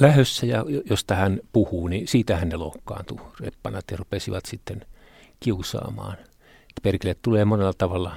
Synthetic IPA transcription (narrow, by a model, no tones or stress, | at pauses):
læhøsːæjɑjojost̪ɑhænpuhuːnisiːt̪æhænnelokːɑ̰ːnt̪urḛpːɑnɑt̪jɑrupesiʋɑt̪sit̪ːen | kiusɑ̰ːmɑ̰ːn | et̪ːæ̥perkelett̪uleːmonelːɑt̪ɑʋɑlːɑ